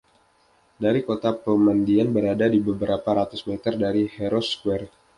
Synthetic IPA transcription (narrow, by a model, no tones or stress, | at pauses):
daɾikot̪apəmandianbəɾadadibəbəɾapaɾat̪usmet̪ərdaɾihɛɾɔskwɛr